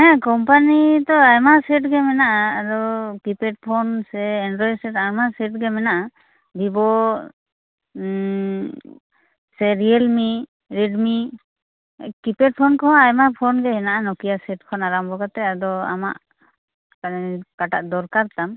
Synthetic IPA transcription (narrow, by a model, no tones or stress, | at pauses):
ɦɛ̃kɔmpanit̪ɔajmasɛʈɡɛmɛnaʔaːd̪ɔkipɛʈ̚pʰɔnsɛːnɖɾɔjsɛʈajmasɛʈ̚ɡɛmɛnaʔa | d̪ibɔ | sɛɾiɛlmi | ɾɛɖmi | kipɛʈ̚pʰɔnkɔaajmapʰɔnɡɛɦɛnaʔanɔkijasɛʈ̚kʰɔnaɾambɔɡat̪ɛad̪ɔa̰ma̰ʔ | kanɛkaʈa̰ʔd̪ɔɾkaɾt̪am